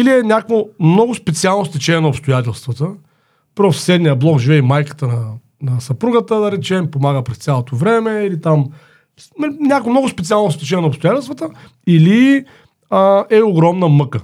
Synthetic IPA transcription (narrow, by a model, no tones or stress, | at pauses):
iliɛnʲakvomnɔɡʊspɛt̪sialˠnost̪ɛt͡ʃɛnʲɛnɐʊpst̪ʊjat̪ʲɛlˠst̪vət̪ə | pɾossɛd̪nijəblˠɔkʒivɛimajkə̥t̪ənɐ | nɐsɐpɾuɡət̪əd̪ɐɾɛt͡ʃɛmpomaɡəpɾɛst̪ʲjalˠot̪ovɾɛmɛilit̪am | nʲakvomnɔɡʊspɛt̪sialˠnost̪ɛt͡ʃɛnʲɛnɐopst̪ʊjat̪ɛlˠst̪vət̪ə | ili | əɛoɡɾɔmnəmɤkə